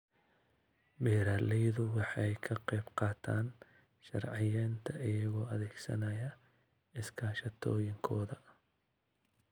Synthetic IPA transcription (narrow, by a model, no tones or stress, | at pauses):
bɛːɾaːlɛjðʊwɑħɛjkʰɐqɛjbqɑːt̪ʰaːn | ʃɐ̰rʕɪjɛːnt̪ʰɐʔɪjɐɣɔːɐðɛːɡsɐ̰nɐjɐ | ɪskʰaːʃɐt̪ʰɔːjɪŋkʰɔːðɐ